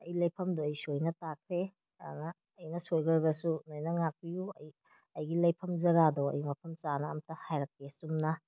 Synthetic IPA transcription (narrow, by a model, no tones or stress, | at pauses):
ɐjilɐjpʰɐmdoɐjsojnɐtakʰɾe | a̰nɐː | jnɐsojɡɐɾɡɐsunojnɐŋak̚pijuɐ̰j | ɐjɡilɐjpʰɐmzɐɡadɔɐ̰jmɐpʰɐmt͡ʃanɐːmtɐhajɾɐk̚ːesumnɐ